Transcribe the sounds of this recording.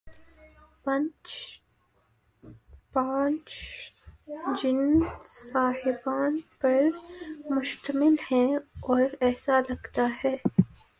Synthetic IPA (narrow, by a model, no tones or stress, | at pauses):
pɐ̃nt͡ʃ | pãːt͡ʃ | d͡ʒɪnsaːhɪbaːnpɐɾmʊʃt̪əmɪlhɛ̃ɔːɾɛːsalɐɡt̪ahɛː